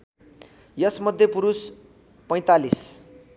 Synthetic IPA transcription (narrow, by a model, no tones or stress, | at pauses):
jʌsmʌd̪ʱjʌpuɾus | pʌj̃t̪alis